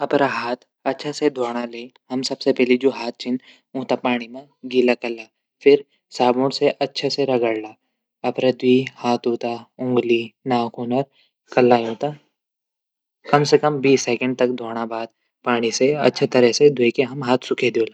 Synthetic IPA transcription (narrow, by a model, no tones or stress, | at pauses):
ɐpɾaɦaːt̪ʰ | ɐtːʃʰased̪ʱoːɽ̃aleːɦɐmsɐbsepɛːɦlid͡ʒoːɦaːt̪̚ʰt͡ʃʰɪn | õːt̪apaːɽ̃imẽ | ɡilakɐlːa | fʰɪɾ | saːbõɽseʔɐtːʃʰaseɾɐɡəɽlaː | ɐpɾed̪wiːhaːt̪ʰɦoːt̪aʊ̃ŋɡlinaːkunəɾ | kɐlːaɦõːt̪a | kɐmsekə̃mbiːsːɛːkə̃ɳɖ̚t̪ɐkd̪ʱoːɽ̃abaːd̪̚ | paːɽ̃iseɐ̰tːʃʰet̪ɐɾɛsed̪ʱeːkeɦɐmɦaːt̪ʰsʊkʰed̪oːla